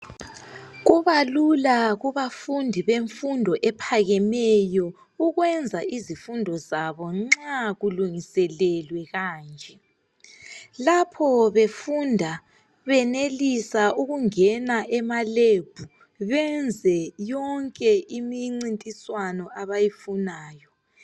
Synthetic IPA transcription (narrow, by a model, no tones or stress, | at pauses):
ɣuβalulaɣuβafundʱiβeɱfundʱɔʔɛpʰaɣɛmɛjɔ | uɣwɛnd͡zʱaʔizifundʱɔzaβɔŋ͡ǁaɣuluŋisɛlɛlwɛɣaːnd͡ʒʱɛ | lapʰɔβefundʱa | βɛnelisauɣuŋɛnaʔɛmaleb̥ʱu | βɛnd͡zʱɛjɔŋkʼɛʔimiŋ͡ǀintʼiswanɔʔaβajifunaːjɔ